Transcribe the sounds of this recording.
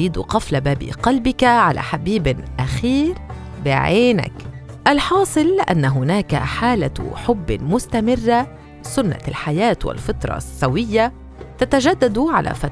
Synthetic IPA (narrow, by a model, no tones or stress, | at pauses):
iːd̪qɑflabaːbḭqɑlbɪkaʕalʔa̰ħabiːbʔaxiːɾ | bɪʕeːna̰kʔalħɑːsˤɨlʔa̰nːaɦʊnaːka̰ħaːlaħʊbːmʊst̪amɪrːa | sʊnːa̰lħajaːt̪wɪ̰lfɑt̪ɾˤɑ̰sːawɪjːa | t̪at̪aʒad̪ːad̪ʕa̰lʔa̰fat̪